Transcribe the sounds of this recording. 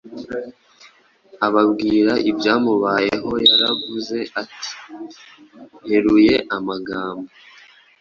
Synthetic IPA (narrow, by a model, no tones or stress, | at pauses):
aβabɡiːɾaʔibjaːmuβaːjeɦo̞jaɾavuze̞ʔati̥ | jeɾuje̞ʔamaɡaːmba